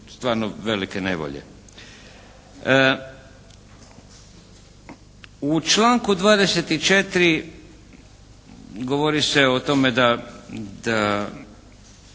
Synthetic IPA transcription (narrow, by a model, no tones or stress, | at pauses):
st̪ʋaːɾnoʋe̞likene̞̰ʋo̰ʎḛ | ut͡ʃlaːŋkud̪ʋaːd̪e̞set̪it͡ʃet̪ɾi | ɡo̞ʋoɾiseot̪o̞med̪ad̪a